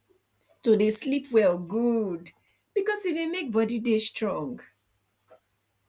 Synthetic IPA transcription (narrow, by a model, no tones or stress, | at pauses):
todeslipwɛlɡud | b̥ikɔsidemek̚bɔdidestɹɔ̃ŋɡ